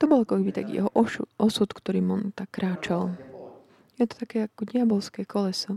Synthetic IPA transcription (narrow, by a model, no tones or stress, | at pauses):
t̪ɔbɔlkɔkɛbit̪a̰kjɛ̰ɦɔʔɔsut̪kt̪ɔɾiːmɔnt̪akːɾaːt͡ʃal | jɛt̪ɔ̥t̪akɛːakɔɟɪabɔlskɛːkɔlɛsɔ